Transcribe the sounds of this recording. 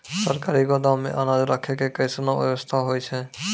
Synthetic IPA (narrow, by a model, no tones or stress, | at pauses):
səɾkaɾiɡɔd̪amḛʔanad͡ʒɾakʰekekəjsənɔbɛ̰bəst̪ʰaɦojt͡ʃʰɛ